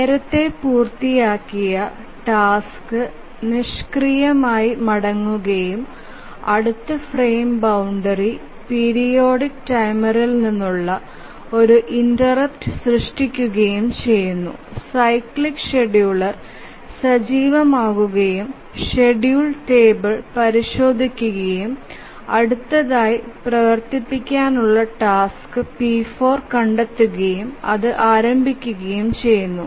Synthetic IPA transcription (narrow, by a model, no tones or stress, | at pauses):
neːɾɐt̪ːe̞puːrt̪ijaːkːijɐ | ʈaːskɨ | niʂkrijɐmaːjimɐɽɐŋːuɣɐjum | ɐɽut̪ːɐfreːmbɐwɳɖɐri | piɾijo̞ːɽikːʈɐjmɐɾɐlninːuɭːɐ | o̞ɾuʔindɐrɐp̚tɨsrɨʂʈikʲːuɣɐjumt͡ɕe̞jːunːṵsɐjkɭikːʂeɖjuːɭɐr | sɐd͡ʑiːʋɐmaːɣuɣɐjum | ʂeɖjuːɭʈe̞ːbɨɭpɐɾiʂo̞ːd̪ʱikʲːuɣɐjum | ɐɽut̪ːɐðaːjiprɐʋɐrt̪ipːikʲːaːnuɭːɐʈaːskɨpiːfo̞ːrkɐɳɖet̪ːuɣɐjumɐ̰ðɨʔaːɾɐmbʱikʲːuɣɐjumt͡ɕe̞jːunːu